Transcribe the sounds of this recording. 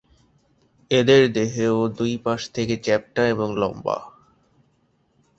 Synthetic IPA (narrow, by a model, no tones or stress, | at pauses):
ed̪eɾd̪eɦeod̪ujpaʃt̪ʰeket͡ɕɛp̚ʈaeboŋlɔ̰mba̰